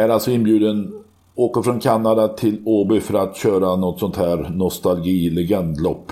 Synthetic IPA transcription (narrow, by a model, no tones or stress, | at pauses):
æɾalsɔɪnbjʉ̟ːd̪ən | oːkəɾfɾɔnkʰanːad̪at̪ʰɪloːbefœɾat̪ɕøːɾanɔt̪ːsɔnt̪ʰhæːɾnɔst̪alɡiːlɛɡɛnd̪lɔpː